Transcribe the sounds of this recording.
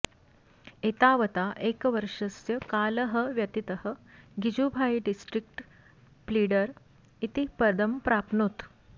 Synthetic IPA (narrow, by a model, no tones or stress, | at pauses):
et̪aʋət̪aʔekʋəɾʂəsjəkaːləɦəʋjɐt̪it̪əhəɡid͡ʑubʱaiɖisʈɾik̚ʈ | pliːɽəɾ | it̪ipəd̪ʱəmpɾapnut̪